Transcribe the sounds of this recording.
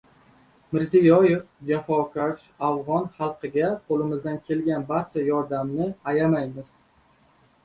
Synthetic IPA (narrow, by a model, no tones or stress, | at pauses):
mɪɾzijɒjefd͡ʒafɒkʰaʃ | avʁɒnχɑlˠqɨɡʲaqʰolɪmɪzd̪ankʲʰe̞lɡʲanbaɾt͡ʃʰajɒɾd̪amnɪajamajmɪz̥